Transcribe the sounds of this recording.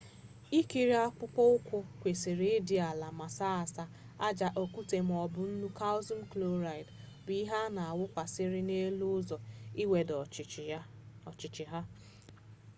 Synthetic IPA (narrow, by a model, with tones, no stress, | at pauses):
i˦ki˨ɾi˦a˦kʷʊ˦pɔ˦ʊ˦kʷʊ˦kʷe˨si˨ɾi˦dɪ˨a˨la˨ma˨sa˦a˨sa˦ | a˦d͡ʒa˨ʔo˨ku˦te˨m̩˨ɔ˨bʊ˨n̩˦nu˦ka˦ʊ˦zɔ˦n̩˦klo˦ɾa˨ɪ˨d | bi˦ɦa˦na˨a˨wʊ˦kʷa˨sɪ˦ɾɪ˦ne˦lu˦ʊ˦zɔ˨i˦we˨dɔ˨ | ɔ˨t͡ʃɪ˨t͡ʃɪ˨ɦa˦